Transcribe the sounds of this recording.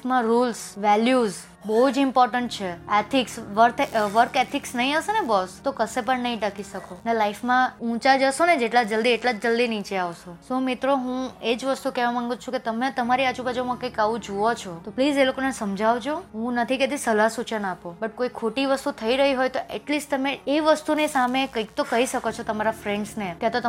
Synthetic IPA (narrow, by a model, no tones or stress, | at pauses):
fmãɾulsʋɛljuz | bəɦud͡ʒɪmpɔɾʈəɳʈ̚t͡ʃʰeet̪ʰiksʋəɾt̪ʰʋəɾket̪ʰiksnəɦĩaʋsenebɔst̪okəsepəɳnəɦĩʈəkiʃəkonelaifmãũt͡ʃad͡ʒəʃoned͡ʒeʈlad͡ʒəld̪ieʈlad͡ʒd͡ʒəld̪init͡ʃeaʋsosomɪt̪ɾoɦũed͡ʒʋəst̪ukɛʋamãŋɡũt͡ʃʰũket̪əmẽt̪əmaɾiat͡ʃubad͡ʒomãkəjkaʋũd͡ʒuot͡ʃʰot̪oplizelokonesəmd͡ʒʱaʋd͡ʒoɦũnət̪ʰiket̪isəlasut͡ʃənapobəʈ̚koikʰoʈiʋəst̪ut̪ʰəiɾəɦiɦojt̪oʔeʈlisʈt̪əmeeʋəst̪unisamekəjk̚t̪okəɦiʃəkot͡ʃʰot̪əmaɾafɾeɳɖsneket̪ot̪ə